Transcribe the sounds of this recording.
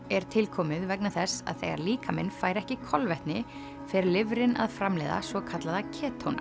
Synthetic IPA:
ɛɾ̥t̪ʰɪlkʰɔːmɪðvɛknaθɛsa̰ðθejɣa̰ɾliːkamɪnfaːjɾɛhcɪkʰɔlvɛht̪nɪ | fɪɾɪɾlɪvɾɪna̰ðfɾamlɛːða̰svɔkʰat̪laðacʰɛːt̪ʰowna̰

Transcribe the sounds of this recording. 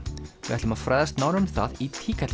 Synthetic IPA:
vɪvɛht̪ʏmaðfɾajðast̪naːwnʏmθaðit̪ʰiːkʰat̪l

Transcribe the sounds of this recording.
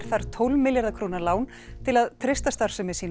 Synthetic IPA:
ɾ̥θaɾ̥t̪ʰowlmɪljaɾðakʰɾoːnalaːwn | t̪ʰɪlaðt̪ʰɾɪst̪ast̪aɾ̥sɛmɛsiːn

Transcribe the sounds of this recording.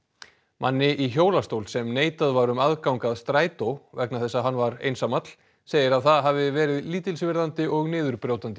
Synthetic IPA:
mʔa̰nːɪʔiçoːwlast̪owlsɛmneːjt̪aðvaɾʏmaðkawŋkaðst̪ɾaːjt̪owvɛk̚naθɛsːaðɦanːvaɾḛjnsamat̪l̥ | seːjɪɾaðθaðɦavɪvɛːɾɪðliːt̪ɪlsvɪɾðant̪ɪʔɔɣnɪːðʏɾpɾjowt̪ant̪ɪ̥

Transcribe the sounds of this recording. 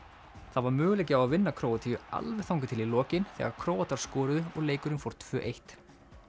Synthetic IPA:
θaðvaɾmʏːɣʏlejcɪawaðvɪnːakʰɾoːwat̪ʰijʏa̰lvɛ̥θawŋkʏt̪ʰɪlilɔːcɪnθɛ̰ːɣaɾkʰɾoːwat̪aɾ̥skɔːɾʏðʏɔɣleːjkʏɾɪnfowɾ̥t̪ʰvœːʔejht̪

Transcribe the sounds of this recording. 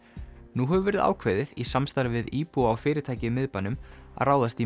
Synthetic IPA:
nuɦɛvʏvɛːɾɪða̰wkʰveðɪðisamst̪aɾvɪðiːpuawfɪːɾɪɾt̪ʰaːjcɪmɪðpanʏma̰ðraːwðast̪i

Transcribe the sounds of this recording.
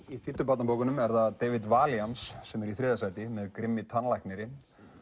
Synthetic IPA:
iθɪt̪ːʏpat̪napoːwkʏnʏmɛɾðaðt̪eːjvɪt̪vaːljamsːɛmɛɾiθɾɪːðasaːjt̪ɪmɛðkɾɪmːɪt̪ʰanlajknɪɾɪ

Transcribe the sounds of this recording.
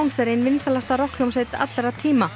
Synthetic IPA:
wŋsɛɾɪnvɪnsalast̪aɾɔhklumseːjt̪a̰t̪lɛɾat̪ʰiːma

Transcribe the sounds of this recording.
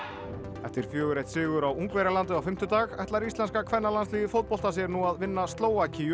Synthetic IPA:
ɛft̪ɪɾ̥fjœːɣʏɾejt̪sɪːɣʏɾawuŋkvɛɾalant̪ʏawfɪm̥t̪ʏt̪aːɣɛht̪laɾist̪lɛnskakʰvɛnːalansliːðɪfowt̪̚pɔlt̪as̬jɛɾnuaðvɪnːast̪loːwacʰi

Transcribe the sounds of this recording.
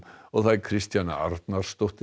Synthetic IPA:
ɔɣθajkʰɾɪst̪jana̰a̰ɾt̪naɾ̥st̪owht̪ɪ

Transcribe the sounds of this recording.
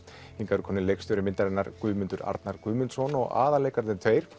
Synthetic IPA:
hiŋkaɾʏkʰɔːnɪnlejkst̪ʏɾʏmɪnt̪aɾɛnːaɾkʏːmʏnt̪ʏɾa̰ɾt̪naɾkʏːmʏnt̪sɔnɔɣa̰ːðalejkaɾðɪnt̪ʰv̥eːjɾ̥

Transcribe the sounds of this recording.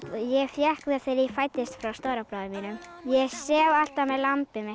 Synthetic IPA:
jɛɣfjɛhkvɪaθejɾifaːjt̪ɪst̪fɾawst̪oːwɾapɾawðɪmiːnʏm | jɛɣsɛːval̥t̪amɛðlampɪmɪ

